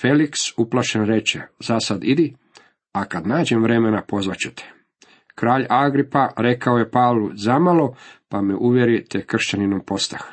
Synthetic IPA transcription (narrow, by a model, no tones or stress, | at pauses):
feliksuplaʃenɾe̞t͡ʃezasad̪id̪i | akad̪naːd͡ʒemʋɾe̞menapo̞zʋat͡ɕut̪ʰe̥ | kɾaːʎaɡɾipaɾe̞kaoje̞paːʋlˠuzamalopameʔuʋjeɾit̪ekr̩ʃt͡ɕaninompo̞st̪ax